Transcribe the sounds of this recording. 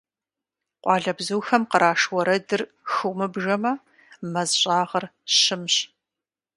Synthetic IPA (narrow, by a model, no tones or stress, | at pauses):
qʷʼɑːɮɐbzuːxɐmqəɾʔaːʂwɔɾɐdɨr | xɨmɨbʒɐmɐ | mɐzɕʼaːʁɐrɕɪmɕ